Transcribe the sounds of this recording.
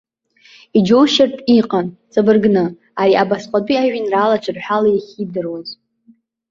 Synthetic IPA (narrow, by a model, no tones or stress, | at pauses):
id͡ʒowʃartʼiqʼant͡sʼabɨrɡnɨ | aɾiʔabasqʷʼadiaɥinralat͡ʃʰɨrħʷᶣalajiχʲidɨrwaz